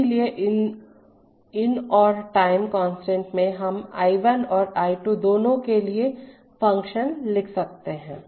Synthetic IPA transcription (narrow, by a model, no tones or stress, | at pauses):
lieʔɪ | ɪnɔːɾʈaːɪmkɔ̃ːnsʈɛ̃ɳʈmẽɦɐma̰ːɪʋənɔːɾaːɪʈuːd̪oːnõkelie | fɐ̃ŋkʃənlɪkʰsɐk̚t̪eɦɛ̃ː